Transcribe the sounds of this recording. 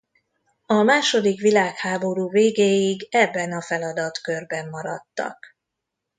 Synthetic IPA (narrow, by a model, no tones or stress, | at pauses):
ɒmaːʃo̞d̪ikʋilaːkhaːbo̞ɾuːveːɡeːjiɡɛbːɛnɒfɛlɒd̪ɒt̪kø̞rbɛmːɒɾɒt̪ːɒ̰k